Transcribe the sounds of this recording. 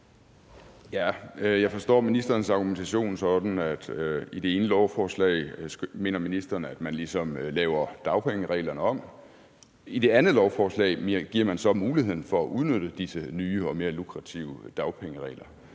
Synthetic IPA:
jæjɑ̈ɪfɒ̽sd̥ɒ̰ːminisd̥ɐːn̩sɑ̈ɡ̥ument͡sʰæɕo̝̰ːnsɒ̽d̥n̩æd̥id̥e̝e̝ːnəlɒʊfɒːslɛ̰ɪme̝̰ːnɐminisd̥ɐnəæd̥mænlisɒ̽mlɛːʊɐd̥ɑ̈ʊpʰeŋəʁɛ̰ːlɐnəɒ̽m̰ | id̥e̝ænð̩ˠlɒʊfɒːslɛ̰ɪɡ̥iɐ̰mænsɒ̽muːlihe̝ð̰ˠn̩fɒ̽æʔuð̞ˠnød̥əd̥isənyːəɒ̽me̝ːɐlukʰʁɑ̈t͡sʰḭʊəd̥ɑ̈ʊpʰeŋəʁɛ̰ːlɐ

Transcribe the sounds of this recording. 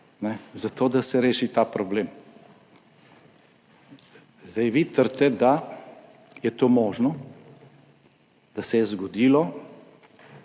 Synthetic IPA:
nɛzat̪oːd̪asɛɾeːʃit̪aːpɾɔbleːm | zd̪ajʋit̪əɾt̪ɛd̪a | jɛt̪oːmoːʒnɔ | d̪̥asɛjɛzɡɔd̪iːlɔ

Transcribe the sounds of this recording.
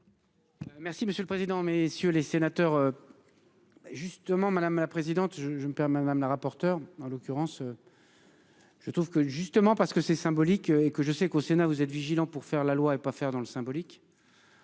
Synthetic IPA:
mɛʁsiməsjøləpχezid̪ɑ̃mesjølesenat̪œːʁø | ʒyst̪əmɑ̃mad̪amlapχezid̪ɑ̃t̪ʒəʒəməpɛmmɛd̪amlaʁapɔʁt̪œʁɑ̃lɔkʲyʁɑ̃sø | ʒ̥ət̪χuvkəʒyst̪əmɑ̃paʁsə̥kəsɛsɛ̃bɔlikøekəʒəsɛkosenavuzɛt̪viʒilɑ̃puʁfɛʁlalwaepafɛʁd̪ɑ̃ləsɛ̃bɔlik

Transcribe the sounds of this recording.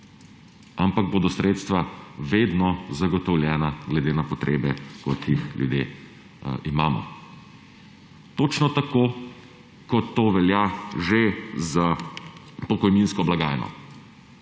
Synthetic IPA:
ampaɡ̚boːd̪ɔsɾʔeːt̪st̪ʋaʋeːd̪nɔzaɡɔt̪ɔwlʲjɛːnaɡlɛd̪eːnapɔt̪ɾʔḛːbɛkɔt̪jixljṵd̪jḛː | ʔimaːmɔ̰ | t̪ot͡ʃnɔt̪ako | kɔt̪ːoːʋɛljaʒeza | pɔkɔjninskɔblaɡaːjnɔ̰

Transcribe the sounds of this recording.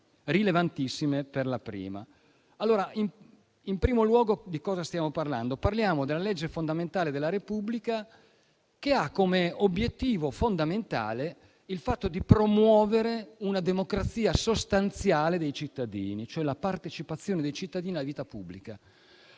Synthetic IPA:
rilevant̪isːimeperlapɾḭːma̰ | alːoːɾaʔim | impɾiːmolwɔːɡod̪ikɔːzast̪jaːmoparla̰nd̪oparljaːmod̪elːaled͡ʒːefond̪ament̪aːled̪elːaɾepublika | keakːomeobjet̪ːiːvofond̪ament̪a̰ːle | ilfat̪ːod̪ipɾomwɔːveɾeunad̪emokɾat̪sːiːasost̪ant̪sjaːled̪ejt͡ʃit̪ːad̪ḭːnit͡ʃoɛlapart̪et͡ʃipat̪sːjoːned̪ejt͡ʃit̪ːad̪iːnialaviːt̪apubːlika

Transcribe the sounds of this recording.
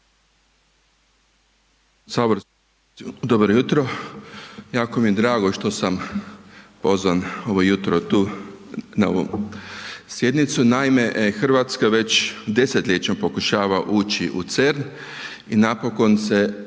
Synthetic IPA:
saboɾ | d̪obɾojut̪ɾo | jaːko̞mijed̪ɾaːɡoʃt̪o̞sam | po̞zʋano̞ʋo̞jut̪ɾot̪uː | nao̰ʋo̰ | sje̞d̪nit̪sunaime̞exr̩ʋat̪skaʋe̞t͡ɕd̪e̞set̪lʲet͡ʃɲompo̞kuʃaːʋaʔuːt͡ʃiʔṵt̪seɾn | inapo̞ko̞nse̞

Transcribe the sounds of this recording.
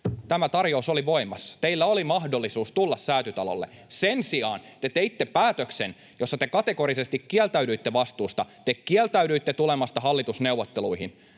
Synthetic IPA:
t̪æmæt̪ɑrjousoliʋo̞imɑst̪e̞ilːæolimɑhdolːisuːst̪ulːɑssæːt̪yt̪ɑlo̰lːḛsensiɑːnt̪et̪eit̪ːepæːt̪øksen | josːɑt̪ekɑt̪e̞ko̞ɾisest̪ikkːielt̪æydyit̪ːeʋɑst̪uːst̪ɑt̪ekkːielt̪æydyit̪ːet̪ulemɑst̪ɑɦɑlːit̪usne̞uwʋːot̪ːeluiɦin

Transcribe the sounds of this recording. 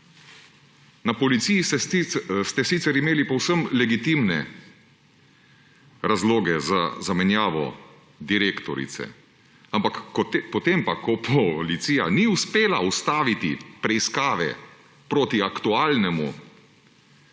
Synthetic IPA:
napɔlit̪sijis | st̪ɛsit̪sɛɾimeːlipɔwsəmlɛɡit̪imnɛ̰ | ɾazloːɡɛzazamɛnjaːʋɔ̰ | d̪iɾeːkt̪ɔɾḭt̪sɛ̰ | ampakpɔt̪empakɔpʰɔlit̪siːja̰niuspeːlaust̪aːʋit̪ḭpɾɛiskaːʋɛ̰ | pɾoːt̪iakt̪uaːlnɛmṵ

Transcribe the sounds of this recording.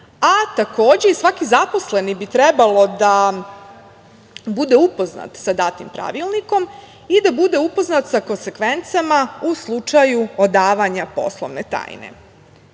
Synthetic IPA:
at̪ako̞ːd͡ʑe̞isʋakizapo̞sle̞nibit̪ɾɛbalˠo̞d̪a | bud̪e̞upo̞zna̰t̪sad̪at̪impɾa̰ʋilˠniko̞m | id̪abud̪e̞upo̞znat̪sako̞nsekʋe̞nt̪samauslˠut͡ʂajuod̪aːʋaɲapo̞̰slˠo̰ʋnet̪a̰ːjnḛ

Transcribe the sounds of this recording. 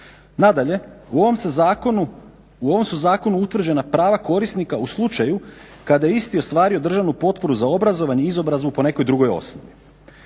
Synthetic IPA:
nad̪aʎe̞uooms | uo̞ʋo̞msuzaːko̞nuut̪ʋr̩d͡ʑe̞napɾaːʋako̞ɾisnikauslˠut͡ʃajukad̪ajeist̪io̞st̪ʋaːɾio̞d̪r̩ʒaʋnupo̞t̪̚po̞ɾuzao̞bɾazo̞ʋaɲeizo̞bɾazʋupo̞ne̞ko̞jd̪ɾuɡo̞jo̞̰snoʋi

